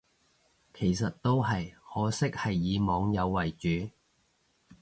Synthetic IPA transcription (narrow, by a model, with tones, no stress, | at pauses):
kʰe˨˩jsɐ˨t̚t̪o˥wɦɐ˨jhɔː˨˥sɪ˥k̚hɐ˨jːiː˨˧mɔː˨˧ŋjɐ˨˧wːɐ˨˩jt͡ʃyː˨˥